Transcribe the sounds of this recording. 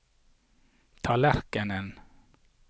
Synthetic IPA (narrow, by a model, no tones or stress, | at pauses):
t̪ʰɑːlæɾkənən